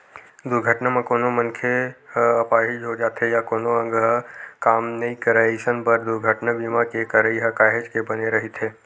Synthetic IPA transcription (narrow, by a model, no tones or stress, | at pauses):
d̪ʊɾɡʱəʈnamẽkoːnomə̃nkʰeɐpaːɦɪʃɦod͡ʒaːt̪ɦɛjakoːnoə̃ŋɡɦəkaːmnɐɦĩkəɾaisənpəɾd̪ʊɾɡʱəʈnabimakekəɾəiɦəkaːɦed͡ʒkebɐneɾɐɦit̪ʰeː